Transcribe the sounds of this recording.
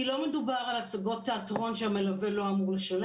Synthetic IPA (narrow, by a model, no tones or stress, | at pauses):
ilo̞med̪ubaʁalat͡saɡo̞t̪ːeatʁo̞nʃeamelavelo̞amuʁleʃal